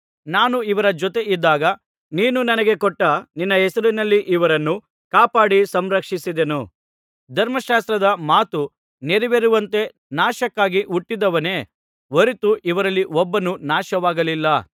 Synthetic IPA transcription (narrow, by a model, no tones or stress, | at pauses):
naːnuiʋɐɾɐd͡ʒɔt̪e̞id̪ːaːɡɐ | niːnunɐnɐɡe̞kɔʈːɐninːɐɦɛsɐɾinɐlːiʔiʋɐɾɐnːu | kaːpaːɽisɐmɾɐkʂisid̪enu | d̪ʱɐɾmɐʃaːst̪ɾɐd̪ɐmaːt̪u | neɾiʋeɾuʋɐnt̪e̞ | naːʃɐkːaːɡiʔuʈːid̪ɐʋɐne̞ː | ʋoɾit̪uʔiʋɐɾɐlːiʔɔbːɐnunaːʃɐʋaːɡɐlilːɐ